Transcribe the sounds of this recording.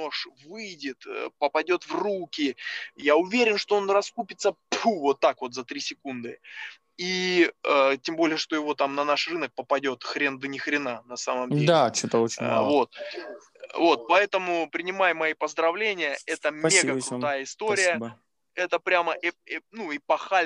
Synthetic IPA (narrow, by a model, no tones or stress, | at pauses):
noʂvɨjdʲɪt̪əpəpɐdʲo̞t̪vrukʲɪjaʊvʲeɾʲɪnʂt̪o̞o̞nrɐskupʲɪt̪səpʰuvo̞t̪ːakvo̞t̪zɐt̪ɾʲisʲɪkund̪ɨ | iətʲembo̞lʲɪjəʂt̪o̞jɪvo̞t̪amnɐnaʂrɨnək̚pəpɐdʲo̞t̪xɾʲe̞nd̪ənʲɪxɾʲɪnanɐsaməmʲeat͡ɕot̪əot͡ɕɪvo̞t̪̚ | vo̞t̪̚pɐɛt̪əmʊpɾʲɪnʲɪmajmɐipəzd̪ɾɐvlʲenʲɪjəʔɛt̪əmʲːeɡəkɾʊt̪ajəɪst̪o̞ɾʲɪjə | ɛt̪əpɾʲaməʔɛɛnuipɐxalʲ